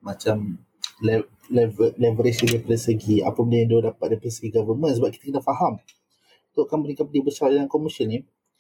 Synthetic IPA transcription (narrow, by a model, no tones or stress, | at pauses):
mat͡ʃam | lɛ | lɛvlɛvəɾesidapalasəɡia̰pəməndãdodapat̪̚dapləsəɡiɡavəmə̃nsəbap̚kit̪əkənaʔfaɦam | ut̪oʔkanbənikat̚b̚ədibəsardalaŋkɔmisənːĩ